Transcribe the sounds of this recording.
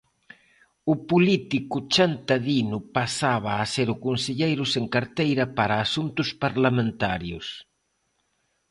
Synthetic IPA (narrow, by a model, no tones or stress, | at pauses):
ʊpulit̪ikʊt͡ʃant̪aðinʊpasaβɐːseɾʊkonseʎejɾʊseŋkaɾt̪ejɾɐpaɾɐːsunt̪ʊspaɾlamẽnt̪aɾjʊ̰s